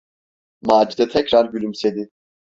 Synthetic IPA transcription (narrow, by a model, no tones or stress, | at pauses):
maːd͡ʒid̪ɛt̪ʰɛcɾaɾbylʲymsed̪i